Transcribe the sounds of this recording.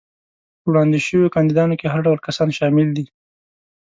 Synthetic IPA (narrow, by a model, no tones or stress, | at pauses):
wɽɑnd̪iʃəwjokɑnd̪id̪ɑnokeɦaɾɖawlkasɑnʃɑmɪld̪i